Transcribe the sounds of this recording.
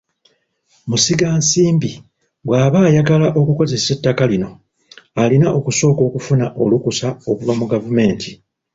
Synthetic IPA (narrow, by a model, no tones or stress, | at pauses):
musiɡaːnsiːmbi | βwaːβaːjaɡalaʔo̞kuko̞ze̞se̞tːakalino̞ | alinaʔo̞kuso̞ːko̞ːkufunaʔo̞lukusao̞kuvamuɡavume̞ːntʰi